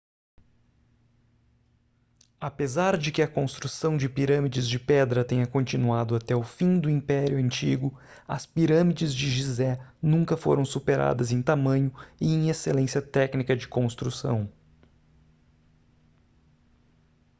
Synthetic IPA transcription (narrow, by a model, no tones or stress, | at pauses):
apezaɾd͡ʒɪkɪɐkõst̪ɾusɐ̃w̃d͡ʒɪpiɾɐ̃mid͡ʒɪzd͡ʒɪpɛd̪ɾɐt̪ẽɲɐkõnt͡ʃinuad̪ʊat̪ɛʊfĩd̪ʊĩpɛɾjʊɐ̃nt͡ʃiɡʊ | ɐ̰spiɾɐ̃mid͡ʒɪzd͡ʒɪʒizɛnũŋkɐfo̰ɾɐ̃w̃supeɾa̰d̪ɐzẽj̃t̪amɐ̃ɲʊɪẽj̃eselẽsjɐt̪ɛknikɐd͡ʒɪkõst̪ɾusɐ̰̃w̃